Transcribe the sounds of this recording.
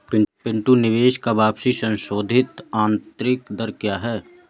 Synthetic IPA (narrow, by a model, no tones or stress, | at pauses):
pɪpɪ̃ɳʈ̪unɪʋeːʃkabaːpsisə̃nʃoːd̪ʱɪt̪aːnt̪ɾɪkd̪əɾkjaːɦɛː